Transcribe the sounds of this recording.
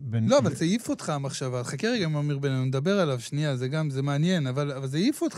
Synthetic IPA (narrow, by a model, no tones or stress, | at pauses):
lo̞avalzejifotχaːmaχʃavatχakeʁeɡaimomiʁbene̞nuned̪abe̞ʁalavʃnijazeɡamzemeanje̞navalavalzejifot̪